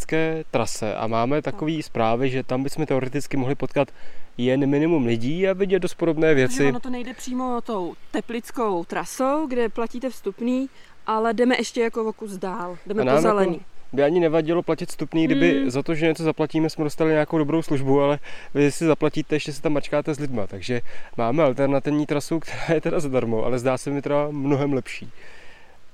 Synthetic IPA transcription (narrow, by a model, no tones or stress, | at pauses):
t͡skɛːt̪ɾasɛ̰ʔa̰maːmɛt̪ako̞viːspɾaːvɪʒɛt̪ambɪsmɛt̪ɛo̞ɾɛt̪ɪt͡skɪmoɦlɪpot̪kat̪jɛnmɪnɪmumlɪɟiːavɪɟɛd̪do̞st̪̚podo̞bnɛːvjɛt͡sɪnot̪onɛjdɛpr̝̥iːmot̪owt̪ɛplɪt͡skowt̪ɾasowɡdɛplaciːt̪ɛfst̪upniː | ʔalɛdɛmɛʔɛʃcɛjakovokuzdaːldɛmɛnaːmzɛlɛniːbɪaɲɪnɛvaɟɪlo̞placɪt̪st̪upniːɡdɪbɪzat̪o̞ʒɛɲɛt͡sozaplaciːmɛsmɛdo̞st̪alɪɲeakowdobɾowsluʒbualɛvɪsɪzaplaciːt̪ɛjɛʃcɛsɛ̥t̪amːat͡ʃkaːt̪ɛzlɪdmat̪aɡʒɛmaːmɛalt̪ɛɾnat̪ɪvɲiːt̪ɾasukt̪ʰɛɾaːjɛt̪ɛdazadaɾmoʔa̰lɛzdaːsɛmɪt̪ɛamno̞ɦɛmlɛpʃiː